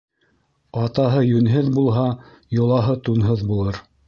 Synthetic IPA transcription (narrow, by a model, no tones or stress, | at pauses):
ɑt̪ɑɦɤjɵnɦɘðbulˠɦɑ | jŏlˠɑɦɤt̪unɦɤðbulˠɤɾ